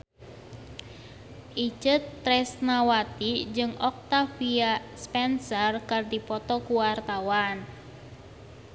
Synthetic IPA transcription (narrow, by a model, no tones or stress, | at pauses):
ʔit͡ʃət̪ːɾɛsnawat̪id͡ʒɨŋʔɔk̚t̪afiaspɛnsərkardipɔt̪ɔkuwart̪awan